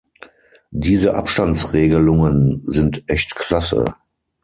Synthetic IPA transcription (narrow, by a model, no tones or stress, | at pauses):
diːzəʔa̰pʃtant͡sʁeːɡəlʊŋənzɪntʔɛçtkʰl̥asə̰